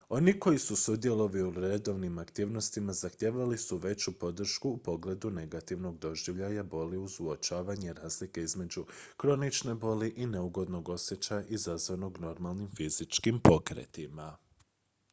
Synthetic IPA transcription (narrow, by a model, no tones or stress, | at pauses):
o̞niko̞jisusud̪je̞lo̞ʋiuɾe̞d̪o̞ʋnimakt̪iːʋno̞st̪imazaxt̪jeːʋalisuʋe̞t͡ɕupo̞d̪r̩ʃkuːpo̞ɡle̞d̪une̞ɡat̪iʋno̞ɡ̚d̪o̞ʒiʋʎajabo̞liuzuot͡ʃaːʋaɲe̞ɾaːzlike̞izme̞d͡ʑukɾo̞nit͡ʃnebo̞liʔineuɡo̞d̪no̞ɡo̞sje̞t͡ɕajaʔizazʋano̞ɡno̞ɾmalˠnimfiz̥it͡ʃkimpo̞kɾḛt̪ima